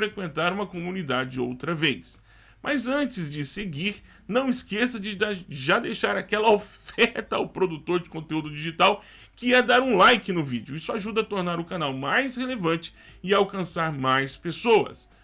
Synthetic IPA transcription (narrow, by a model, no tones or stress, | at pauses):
ɾekwẽnt̪aɾũmɐkomũnid̪ad͡ʒɪd͡ʒɪo̰wt̪ɾɐvejs | mʔazɐ̃nt͡ʃɪzd͡ʒɪseɡiɾ | nɐ̃w̃iskesɐd͡ʒɪʒad̪ejʃaɾakɛlɐofɛɾt̪ɐa̰wpɾod̪ut̪oɾd͡ʒɪkõnt̪eud̪ʊd͡ʒiʒit̪aw | kɪɛd̪aɾũlajkɪnʊvid͡ʒʊisʊaʒud̪ɐat̪oɾnaɾʊkanawmajshelevɐ̃t͡ʃɪ̥ | ɪawkɐ̃saɾmajspesoɐ̰s